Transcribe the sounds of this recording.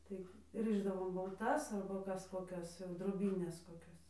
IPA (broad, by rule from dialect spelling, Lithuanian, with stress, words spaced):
ˈtɐɪ ˈrɨʒdɐʋoːm bɐlˠˈtɐs ɐrbɐ ˈkɐs koːˈkʲɛs jɛʊ droːˈbʲiːnʲɛs koːˈkʲɛs